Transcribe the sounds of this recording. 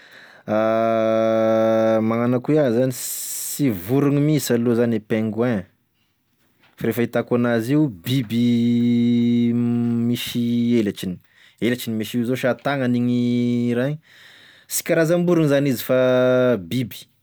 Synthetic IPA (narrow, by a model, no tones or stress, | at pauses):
a | maŋanakuazanisivuɾuŋimisalozanepeŋɡwɛ̃ | faɾefəit̪akanaziubibi | miʃielat͡ʃini̥ | elat͡ʃinimiʃizoʃat̪aŋəniɲiɾaɲ | si̥kʲaɾazambuɾuŋizanizifabibi̥